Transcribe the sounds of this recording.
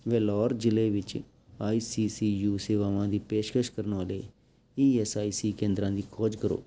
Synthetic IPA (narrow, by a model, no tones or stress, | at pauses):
ʋɛːlɔːɾd͡ʒɪleːʋɪt͡ʃ | aːiːsiːsiːjuːseːʋaːʋãːd̪iːpeːʃkəʃkəɾənʋaːleː | iːɛsaːiːsiːkẽːnd̪ɾãːd̪iːkʰɔːd͡ʒkəɾo̰ː